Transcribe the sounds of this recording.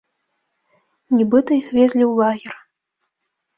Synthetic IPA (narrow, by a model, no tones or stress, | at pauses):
nʲibɨt̪ɐixvʲezʲlʲiwlˠaɣʲɛr